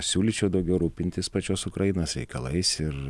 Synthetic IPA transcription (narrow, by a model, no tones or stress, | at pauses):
sʲuːlʲit͡ʃʲɛʊd̪ɐʊɡʲɛʊɾuːpʲɪnʲt̪ʲɪspɐt͡ʃʲoːsʊkɾɐjɪnoːsɾʲɛ̰ɪkɐ̰lˠɐ̰ɪsɪɾ